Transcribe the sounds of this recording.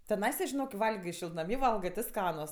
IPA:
tʲɛˈnɐɪsɐ ʒʲɪˈnoːk kʲɪ ˈʋɐlʲɡʲoː ʃʲɪlˠtnɐˈmʲiː ˈʋɐlˠɡɜ tʲɪ ˈskɑːnʊs

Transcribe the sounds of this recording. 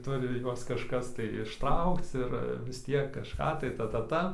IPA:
ˈtʊrʲɪ ˈjuɔs kɐʃˈkɐs tɐɪ ɪʃˈtrɐʊkt͡s ˈɪr ʋʲɪs ˈtʲiɛk kɐʃˈkɑː tɐɪ ˈtɐ ˈtɐ ˈtɐ

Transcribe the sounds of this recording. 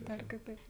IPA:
ˈdɐr kʲɪˈtɐɪp

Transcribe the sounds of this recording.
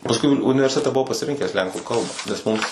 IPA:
pɐsˈkʊɪ ʊnʲɪ ʊnʲɪʋʲɛrʲsʲɪˈtʲæːtʲɛ bʊˈʋɐʊ pɐsʲɪˈrʲɪŋʲkʲæːs ˈlʲɛŋkuː ˈkɐlˠbɐ nʲɛs ˈmʊms

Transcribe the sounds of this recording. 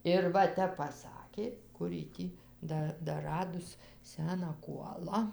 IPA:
ɪr ˈʋɐ ˈtʲɛp pɐˈsɑːkʲeː ˈkʊr jɪ ˈtʲiː ˈdɐ dɐˈrɑːdʊs ˈsʲæːnɑː ˈkuɔlˠɐ

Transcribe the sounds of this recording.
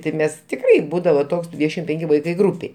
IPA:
tʲɪ ˈmʲɛs ˈtʲɪkrɐɪ ˈbuːdɐʋoː ˈtoːks ˈdʲʋʲiːdʲɛʃʲɪm ˈpʲɛŋʲkʲɪ ˈʋɐɪkɐɪ ˈɡruːpʲeːj

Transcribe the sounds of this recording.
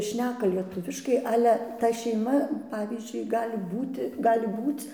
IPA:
ˈʃʲnʲæːkɐ lʲiɛˈtʊʋʲɪʃkɐɪ ˈɑːlʲɛ tɐ ʃʲɛɪˈmɐ ˈpɑːʋʲiːzʲd͡ʒʲʊɪ ˈɡɑːlʲɪ ˈbuːtʲɪ ˈɡɑːlʲɪ ˈbuːt͡s

